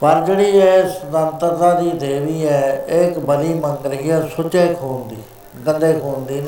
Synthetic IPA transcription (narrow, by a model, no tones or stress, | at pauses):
pəɾd͡ʒeːɽiːd͡ʒeːsəd̪ə̃nt̪əɾt̪ãːd̪iːd̪eːʋiːɛːɪkbəd̪iːməŋɡəliːɛːsʊt͡ʃeːkʰoːnd̪iː | ɡənd̪eːkʰoːnd̪iːn